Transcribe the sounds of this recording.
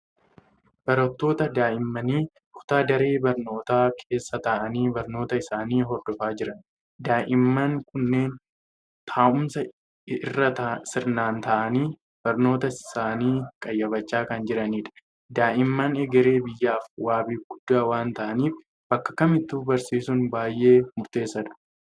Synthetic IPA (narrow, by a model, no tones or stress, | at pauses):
b̥ɐɾɐt̪ːo̞ːt̪ɐd̪aːʔɪmːɐniː | kʰʊ̥t̪aːd̪ɐɾe̞ːbɐɾno̞ːt̪aːkʰe̞ːsːɐt̪ɐʔɐniːbɐɾno̞ːt̪ɐɪsaːniːɦɔɾd̪ɔfaːd͡ʒɪɾɐn | d̪aːʔɪmːɐŋkʊnːe̞ːn | t̪ʰaːʔʊmsɐ | ɪrːɐt̪ɐsɪɾnaːnt̪ɐʔɐniː | b̥ɐɾno̞ːt̪ɐɪsaːniːkʼɐjːɐbɐt͡ʃːaːkɐnd͡ʒɪɾɐniːᶑɐ̥ | d̪aːʔɪmːɐnɛɡɛɾe̞ːbɪjːaːfwaːbiːfɡ̥ʊd̪̥ːaːwaːnt̪ɐʔɐniːf | b̥ɐkːɐ̥kɐmɪt̪ːuːbɐɾsiːsʊnbaːjʔe̞ːmʊɾt̪e̞ːsːɐᶑɐ̥